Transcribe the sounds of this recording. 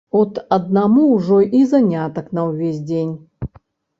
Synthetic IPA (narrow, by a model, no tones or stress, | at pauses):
ɔt̪ɐd̪namuwʐɔʔizanʲat̪ɐknɐwvʲesʲd͡zʲenʲ